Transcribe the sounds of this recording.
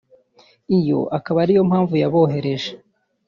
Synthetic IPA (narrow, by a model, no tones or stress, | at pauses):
ijo̞̰ʔakaβaɾijo̞mhaːɱvujaβo̞ːɦe̞ɾe̞ʒe